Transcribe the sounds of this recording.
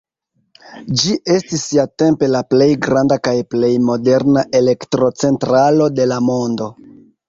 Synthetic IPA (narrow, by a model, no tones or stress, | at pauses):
d͡ʒiʔe̞stisːiate̞mpe̞laple̞jɡɾandakajple̞jmo̞de̞ɾnaʔe̞le̞ktɾo̞t͡se̞ntɾalo̞de̞lamo̞ndo̞